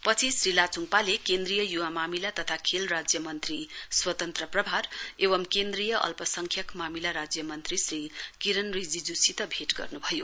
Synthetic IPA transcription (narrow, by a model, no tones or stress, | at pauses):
pʌt͡sʰisrilat͡suŋpalekend̪rijʌjuwamamilat̪ʌt̪ʰakʰelrad͡zjʌmʌnt̪riswʌt̪ʌnt̪rʌprʌbʱaɾebʌmkend̪rijʌʔʌ̰lpʌsʌŋkʰjʌkmamilaɾad͡zjʌmʌnt̪risrikiɾʌnrid͡zid͡zusit̪ʌbʱeʈɡʌ̰rnubʱʌjo